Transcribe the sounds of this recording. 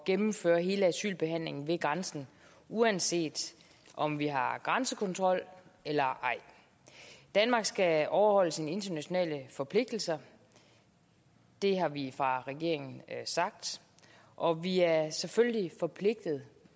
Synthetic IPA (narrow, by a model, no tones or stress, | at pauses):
ɡ̥emm̩fø̰ːɐɦe̝ːləæsy̰ːlb̥e̝ɦæn̰le̝ŋn̩ʋe̝ɡ̥ʁɑnsn̩ | uænse̝̰ːd̥ | ʔɒ̽mʋiɦɑ̈ɡ̥ʁansəkʰɔ̽nt͡sʰʁɒ̽l̰elɐʔɑ̈ɪ̰ | d̥ænmɑ̈ːɡ̥sɡ̥æɒʊɐhɒ̽l̰əsinəe̝nd̥ɐnæɕo̝nɛ̰ːləfɒ̽pʰle̝ɡ̥̚d̥l̩sɐ | d̥e̝ɦɑ̈ʋifʁɑ̈ʁɛɡ̥e̝̰ɐ̰e̝ŋn̩sɑ̈ɡ̥̚d̥ | ʔɒ̽ʋiæɐseføljlifɒ̽pʰle̝ɡ̥̚d̥ð̩ˠ